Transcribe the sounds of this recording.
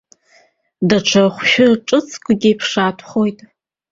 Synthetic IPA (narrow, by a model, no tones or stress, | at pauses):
daʈ͡ʂʰaχʷʃᶣʊʈ͡ʂʼɨt͡sʰʼkʷʼɡʲɪipʰʂaːtʰχojtʼ